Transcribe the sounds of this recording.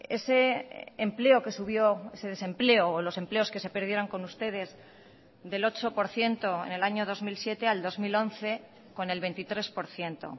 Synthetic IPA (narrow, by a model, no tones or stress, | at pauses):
ḛse̞ːmple̞o̞ke̞suβ̞jo̞ese̞ð̞e̞sẽ̞mple̞oːlo̞se̞mple̞o̞ske̞se̞pe̞ɾð̞je̞ɾo̞ŋko̞nust̪e̞ð̞e̞z | ðe̞lo̞t͡ʃo̞po̞ɾθje̞nt̪o̞ḛne̞laɲo̞ð̞o̞zmilsje̞t̪e̞ald̪o̞zmilo̞nθe̞ | ko̞ne̞lβe̞nt̪it̪ɾe̞spo̞ɾθje̞nt̪o̞̰